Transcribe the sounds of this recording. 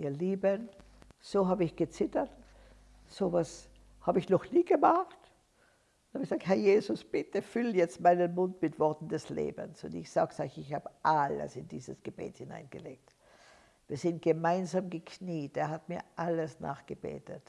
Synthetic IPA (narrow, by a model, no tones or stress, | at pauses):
ʔiːɐliːbən | z̥oːɦaːbəɪçɡ̥ət͡sɪtɐt | z̥ovas | haːbəɪçnɔχniːɡəmaχt | ʊnhabç̥ɡəzaːkthɛɐjeːzʊsb̥ɪtəfʏlnjɛt͡stmaɪnənmʊntmɪtv̥ɔɐtn̩dɛslḛːbə̰nsʊ̰ndɪçz̥a̰ːɡəsaɪçɪçhaːbəʔalə̰sɪndiːzəsɡ̥əb̥ḛːthɪna̰ɪnɡ̥əlḛːk̚t | v̥iːɐzɪnt̚ɡ̥əmaɪnzaːmɡəkʰniːt̚deːɐɦatmiːɐʔaləsna̰ːχɡ̥əbḛːtət